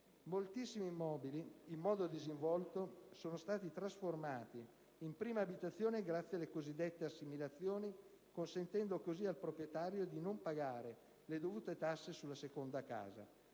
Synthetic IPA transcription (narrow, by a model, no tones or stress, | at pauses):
molt̪isːimimɔːbiliːmːɔːd̪od̪iziɱvɔlt̪osoːnost̪aːt̪it̪ɾasformaːt̪i | impɾiːmaːbit̪at̪sːjoːneɡɾat̪sːjealːekozid̪ːɛt̪ːeasːimilat̪sːjoːni | konsent̪ɛnd̪okozialpɾopɾjet̪aːɾjod̪inompaɡaːɾe | led̪ovuːt̪et̪asːesulːasekond̪aka̰ːza̰